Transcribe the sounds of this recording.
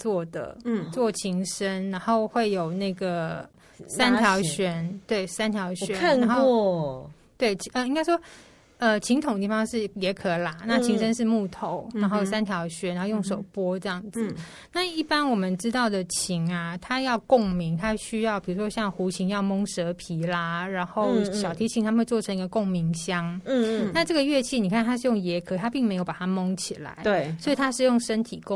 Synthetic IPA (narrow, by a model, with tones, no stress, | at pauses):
t͡swɔ˥˩d̪ə̰˩t͡swɔ˥˨˩t͡ɕʰi˧˥ŋʂə˥nna˧˥nxo˥˧ʊxwe˥˩ɪjo˨˩ʊna˥˩ɡə˩ | sa˦˥nt̪ʰjɑ˧˥ʊɕɥɛ˧˥nt̪we˥˩ɪsa˥nt̪ʰjɑ˧˥ʊɕɥɛ˦˥na˧˥nxo˥˧ʊ | t̪we˥˩ɪt͡ɕʰə˧i˥ŋka˥ɪʂwɔ˥ | ə˧t͡ɕʰi˧˥ŋt̪ʰʊ˨ŋdət̪i˥˩fɑ˥ŋʂɻ̩˥˩jɛ˧˥kʰɤ˧˩la˧˦na˥˩t͡ɕʰi˧˥ŋʂə˥nʂ̬ɻ̩˥˧mu˥˩t̪ʰo˨˦ʊna˨˧˥nxo˥˩jo˨˩s̬a˥nt̪ʰjɑ˧˥ʊɕɥɛ˧˥na˧˦˥xo˥˧jʊ˥˩ŋʂo˨˩ʊpwɔ˥ʈ͡ʂɤ˥˧jɑ˥˩ŋd͡z̩˨˩ | na˥˧i˥˩pa˦˥nwɔ˨˩mə˦nʈ͡ʂɻ̩˥t̪ɑ˥˩ʊd̪ə˩t͡ɕʰi˧˥ŋɐ˧t̪ʰa˥jɑ˥˧ʊkʊ˥˩ŋmi˧˥ŋt̪ʰa˥ɕy˥jɑ˥˩ʊpi˨˩ɻu˧˥ʂwɔ˥ɕjɑ˥˩ŋxu˧˥t͡ɕʰi˧˥ŋjɑ˥˩ʊmo˥ŋʂɤ˧˥pʰi˧˥la˧ɻa˧˥nxo˥˩ʊɕjɑ˨˩t̪ʰi˧˥t͡ɕʰi˧˥ŋt̪ʰa˥xwe˥˧ɪt͡swɔ˥˩ʈ͡ʂʰɤ˧˥ŋi˧˥ɡə˧kʊ˥˩ŋmi˧˥ŋɕjɑ˥ŋna˥˧ʈ͡ʂɤ˥˩ɡə˩ɥɛ˥˧t͡ɕʰi˥˩ni˨˩kʰa˥˩nt̪ʰa˥ʂɻ̩˥˧jʊ˥˩ŋjɛ˧˥kʰɤ˧˥t̪ʰa˥pi˥˩ŋme˧˥ɪjo˧˩ʊpa˨˩t̪ʰa˥mʊ˥ŋt͡ɕʰi˨˩la̰˧˦ɪ˥˩swɔ˧˥i˨t̪ʰa˥ʂɻ̩˥˧jʊ˥˩ŋʂə˥nt̪ʰi˨˩k